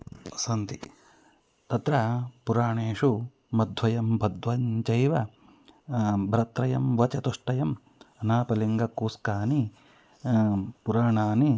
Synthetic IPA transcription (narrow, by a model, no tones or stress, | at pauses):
sɐnt̪i | t̪ɐt̪ɾɐpuɾaːɳeːʂu | mɐd̪ʱʋɐjɐmbʱɐd̪ʱʋɐɲt͡ʃɐjʋɐ | bʱɾɐt̪ɾɐjɐmʋɐt͡ʃɐt̪uʂʈɐjɐm | ɐnaːpɐliŋɡɐkuːskaːni | puɾaːɳaːni